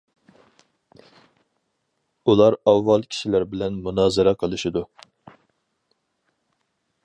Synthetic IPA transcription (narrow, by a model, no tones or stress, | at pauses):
ulˠɑɾɑwːɑlˠkʲʰi̥ʃilæɾbɪlɛnmunɑːzɨɾɑqʰəlˠɨʃid̪u